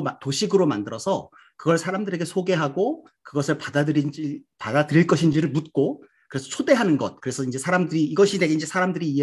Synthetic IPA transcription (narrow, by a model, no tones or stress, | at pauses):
mtoɕʰiɡɯɾomandɯɾʌsʰʌ | kɯɡʌɭsʰaɾamdɯɾe̞ɡe̞sʰoɡe̞ɦaɡo | kɯɡʌsʰɯɭpadaipadadɯɾiɭk͈ʌɕʰind͡ʑiɾɯɭmut̚k͈o | kɯɾe̞sʰʌt͡ɕʰode̞ɦanɯnɡʌt̚kɯɾe̞sʰʌind͡ʑe̞sʰaɾamdɯɾiːɡʌɕʰide̞ɡeind͡ʑe̞sʰaɾamdɯɾiːe